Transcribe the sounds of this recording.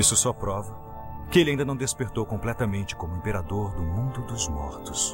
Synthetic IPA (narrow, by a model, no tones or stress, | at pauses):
isʊsɔpɾɔvɐ | kɪelɪaĩd̪ɐnɐ̃w̃d̪espeɾt̪owkõmplɛt̪ɐmẽnt͡ʃɪ̥kõmʊẽmpeɾad̪oɾd̪ʊmũnd̪ʊd̪ʊzmɔ̰ɾt̪ʊs